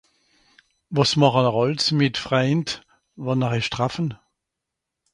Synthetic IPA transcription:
vɑsmɑχənəʁɔlsmɪtfʁaɪnt | vɑnəʁɪʃtʁafən

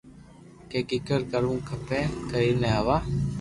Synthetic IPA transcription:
keːkɪkəɾkəɾũːkʰəpeːkəiːneaʋaː

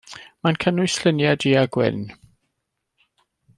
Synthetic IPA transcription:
mankʰənʊɨslɪnjadiaɡwɪ̰n

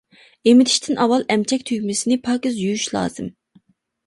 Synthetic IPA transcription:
emɪt̪ʰi̥ʃt̪ʰɪnʔɑwɑlˠɛmt͡ʃʰɛkʲt̪ʰyɡʲmɪsɪnɪpʰɑːkizjujyʃlˠɑ̰ːz̥ɨm

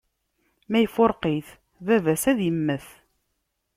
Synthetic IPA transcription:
mæjfʊɾˤqiθ | vævæsæðjəmːəθ

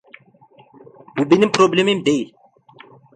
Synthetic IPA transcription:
bubinimpɾoblʲemimd̪eil

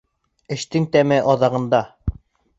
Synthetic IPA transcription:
ɘ̆ʃt̪ɘŋt̪æmɘʔɒðɑʁɤ̆nd̪ɑ

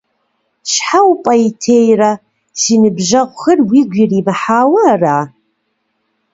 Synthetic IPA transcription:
ʃħawpʼɐjitʰeːjrɐ | siːnɨbʒɐʁʷxɨrwiːɡʷirimɨħaːwɐraː

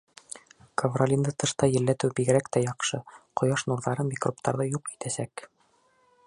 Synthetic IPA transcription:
kovrolʲind̪ɤt̪ɤ̆ʃt̪ɑjɘ̆lːæt̪ɘwbiɡɘ̆ɾækt̪æjɑqʃɤqŏjɑʃnuɾðˠɑɾɤnmʲikrop̚t̪ɑɾðɤjuqi̥t̪æsæk

